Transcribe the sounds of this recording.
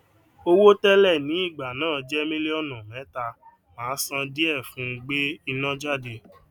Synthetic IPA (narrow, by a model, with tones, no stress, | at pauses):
o˧wo˦tɛ˦lɛ˦˨nĩ˨˦i˦˨ɡ͡ba˨nãː˦˨d͡ʒɛ˦mĩ˦le˦ɔ˦nã˨mɛ̃˨˦ta˧ | mãː˨˦sã˧di˦ɛ˦˨fũ˨˦˧ɡ͡be˦i˧nã˦d͡ʒa˦˨de˧